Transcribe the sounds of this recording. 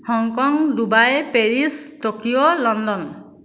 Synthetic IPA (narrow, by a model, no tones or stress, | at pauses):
hɔŋkɔŋdubajpeɹisʈokijolɔnd̪ɔn